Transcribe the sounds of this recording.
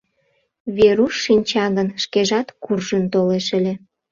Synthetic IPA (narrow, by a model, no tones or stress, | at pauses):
βeɾuʃːinʲt͡ɕɑɣənʃkeʒɑt̪kurʒənt̪oleʃəlʲe